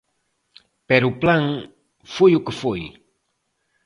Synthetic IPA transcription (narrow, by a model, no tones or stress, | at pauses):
pɛɾuplaŋ | fujukəfuj